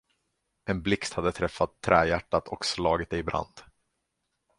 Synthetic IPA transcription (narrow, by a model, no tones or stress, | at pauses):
ɛnblɪkst̪had̪ːət̪ʰɾɛfːat̪ʰːɾɛːjæʈːat̪ʰɔkslɑːɡɪt̪̚d̪ɛɪbɾa̰nd̪̥